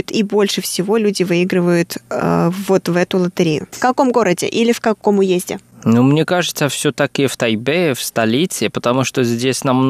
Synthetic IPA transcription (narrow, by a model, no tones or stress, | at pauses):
ʊt̪ibo̞lʲʂɨfsʲɪvo̞lʲudʲɪvɨiɡɾɨvəjʊt̪əvo̞t̪vɛt̪ʊlˠət̪ɨɾʲejʊ̰fkɐko̞mɡo̞ɾədʲɪ̰ʔilʲɪfkɐko̞mʊjezʲdʲɪ̰numnʲekaʐɨt̪səfsʲot̪akɪft̪ɐjbefst̪ɐlʲit̪sɪpət̪ɐmuʂt̪ozʲdʲesʲnɐmn